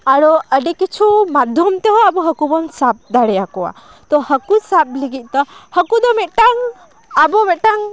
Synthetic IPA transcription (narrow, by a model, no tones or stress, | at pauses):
aɽɔəɖɛkit͡ʃʰumad̪ʱjɔmt̪ɛɦɔabɔɦəkubɔnsap̚d̪aɽɛjakɔwa̰ | t̪ɔhəkusap̚liɡit̪̚ˀt̪ɔhəkud̪ɔmɛt̪̚ʈaŋ | abɔmɛʈaŋ